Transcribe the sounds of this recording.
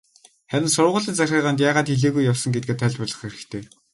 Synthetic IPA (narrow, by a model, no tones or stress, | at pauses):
χæɾʲɪ̆nsʊrʊ̆ʁʊ̆ɮĭnt͡saxʲaːʁaːnt̪jaːʁaːt̪xeɮeːɣujːawsɞ̆ŋɡet̪̚ɡeːt̪ʰːæɮʲpʊɮə̆χeɾɘ̆kt̪ʰeː